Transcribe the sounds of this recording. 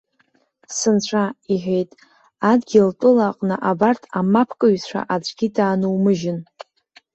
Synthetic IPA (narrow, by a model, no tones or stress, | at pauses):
sɨnt͡ɕʷʰaiħʷᶣe̞jtʼ | adɡʲɪltʼʊlaqʼnɨʔabartʰamapʰkʼɨɥt͡ɕʷʰa̰ʔat͡ɕʷʰʼɡʲidaːnuwmɨʒɪn